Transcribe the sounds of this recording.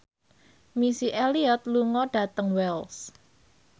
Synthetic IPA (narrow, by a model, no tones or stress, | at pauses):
misiʔeliɔt̪̚luŋɔɖ̥ä̤t̪əŋwɛls